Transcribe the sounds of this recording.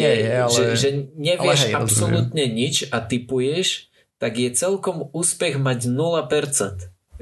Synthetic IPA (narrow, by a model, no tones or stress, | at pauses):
ɛʒɛʒɛɲɛʋɪɛapsɔlut̪ɲɛɲit͡ʃat̪ipujɛʃ | t̪aɡjɛt͡sɛlkɔmuːspɛɣmaɟnulapɛɾt͡sɛnt̪